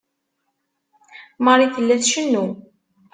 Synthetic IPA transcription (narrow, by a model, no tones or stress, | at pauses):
mɑɾˤiθəlːæðʃənːu